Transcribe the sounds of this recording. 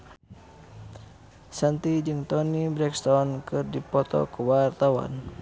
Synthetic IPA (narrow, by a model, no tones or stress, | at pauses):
sant̪id͡ʒɨŋt̪ɔnibɾɛkst̪ɔnkɨrdipɔt̪ɔ̰kuwart̪awa̰n